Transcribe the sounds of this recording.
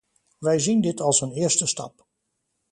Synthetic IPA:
ʋɛjzindɪtʰɑlˠsənɪːəɹstəstɑ̰p

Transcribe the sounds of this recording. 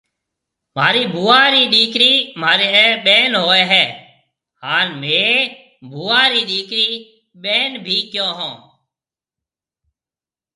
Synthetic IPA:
maːɾiːbʱuːaːɾiːɗiːkɾiːmaːɾeːɛːɓeːnɦoːɛːɦɛː | haːnmẽː | bʱuːaːɾiːɗiːkɾiː | ɓeːnbʱiːkjõːɦõː

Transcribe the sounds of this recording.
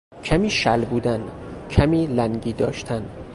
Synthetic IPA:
cʰæmiːʃælbuːd̪æncʰæmiːlæŋɡiːd̪ɒːʃt̪ʰæn

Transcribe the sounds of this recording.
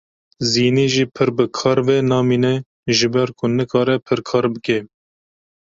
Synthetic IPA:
ziːniːʒiːpʰɨɾbɨkʰɑːɾvenɑːmiːnɛ | ʒɨbɛɾkʰʊnɨkʰɑːɾɛpʰɨɾkʰɑːɾbɨke

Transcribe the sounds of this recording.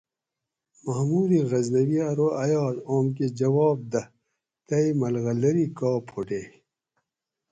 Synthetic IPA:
mɐhmuːɾiɣɐznɐwiɐɾoːɐjɑːd̪oːmk̬ed͡ʑɐwɑːb̚d̪ɐ | t̪ɐimɐlɣɐlɐɾikɑːpʰoʈeː

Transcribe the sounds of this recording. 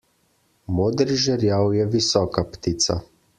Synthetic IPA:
moːd̪ɾiʒɛɾjawjɛʋisɔːkapt̪iːt̪sa̰

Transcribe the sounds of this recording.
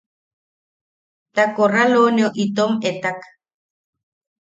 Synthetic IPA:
t̪akoralonioʔit̪omet̪ak

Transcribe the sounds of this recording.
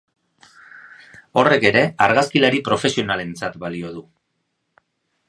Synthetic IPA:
o̞re̞ke̞ɾe̞aɾɣaskilaɾipɾo̞fe̞sio̞nale̞nt͡sat̪balio̞ð̞u

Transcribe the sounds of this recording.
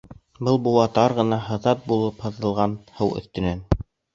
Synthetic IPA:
bɤlˠbuwɑt̪ɑɾʁɤ̆nɑɦɤ̆ðɑt̪̚bulˠɤphɤ̆ðɤ̆lˠʁɑnhɤwɵ̰̆θt̪ɵ̆næn

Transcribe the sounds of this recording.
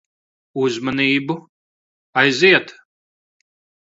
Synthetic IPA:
uzmaniːbu | ajziɛt̪

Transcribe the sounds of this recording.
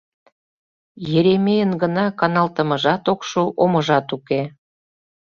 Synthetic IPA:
jeɾemejənɡənɑkɑnɑlt̪ə̆məʒɑt̪okʃuʔomə̆ʒɑt̪uke

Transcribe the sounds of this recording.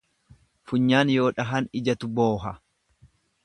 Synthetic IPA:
fʊɲːaːnjo̞ːᶑɐɦɐnɪd͡ʒɐt̪ʊbo̞ːɦɐ

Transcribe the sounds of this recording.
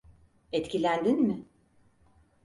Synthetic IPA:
ɛt̪cʰilʲænd̪inmɪ

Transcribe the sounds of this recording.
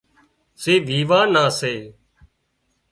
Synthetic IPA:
seːʋiːʋaːnãːseː

